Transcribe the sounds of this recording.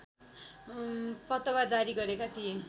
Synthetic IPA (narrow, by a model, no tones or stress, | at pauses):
pʌt̪ʌwad͡zaɾiɡʌɾekat̪ʰije